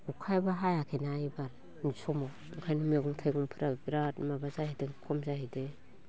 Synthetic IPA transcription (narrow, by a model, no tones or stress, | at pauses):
ɡukʰajbaɦajakʰenajbaɾ | nisɔma | ŋkʰajnɔmeɡɔŋtʰajɡɔŋpʰiɾabiɾatmabazahideŋkʰɔmzahide